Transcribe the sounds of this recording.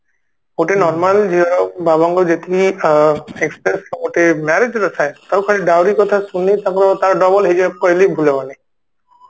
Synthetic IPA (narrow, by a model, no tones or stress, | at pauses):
oʈenɔɾmald͡ʒiɔɾɔbabɔŋɡɔd͡ʒet̪ii | ekspɾeskɔŋoʈemɛɾed͡ʒɾɔsʰajt̪aukʰaliɖawɾikɔt̪ʰasunːit̪akɾɔt̪aɾɖɔbɔlɦed͡ʒekɔjlibʱulebane